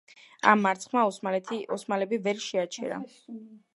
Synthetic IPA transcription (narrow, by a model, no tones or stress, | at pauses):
a̰mːaɾt̪sʰχmaɔsat̪ʰɔsmalɛbivɛɾʃɛat͡ʃʰɛ̰ɾa̰